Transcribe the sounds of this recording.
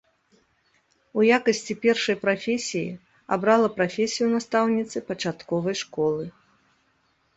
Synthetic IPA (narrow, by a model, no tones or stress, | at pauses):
ujakɐsʲt͡sʲipʲɛrʂɐjpɾafʲesʲijḭ | a̰bɾalˠɐpɾafʲesʲijunast̪awnʲit̪sɨpɐt͡ʂat̪kɔvɐjʂkɔlˠɨ